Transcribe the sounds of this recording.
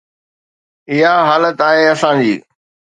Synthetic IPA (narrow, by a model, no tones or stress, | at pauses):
ɪɦaɦaːlət̪aːɦeːɐsãd͡ʑiː